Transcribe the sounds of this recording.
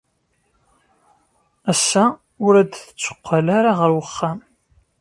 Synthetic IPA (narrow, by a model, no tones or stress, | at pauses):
æsːa | ʊɾæd̪θət͡sːə̥qʷːalaɾaʁəɾwəχːam